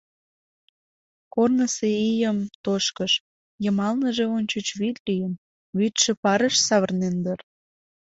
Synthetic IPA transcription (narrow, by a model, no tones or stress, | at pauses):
kornəseijəmt̪oʃkəʃ | jəmɑlnəʒeonʲt͡ɕət͡ɕβit̪lijəm | βyt̪ʃĕpɑɾəʃsɑβərnend̪ər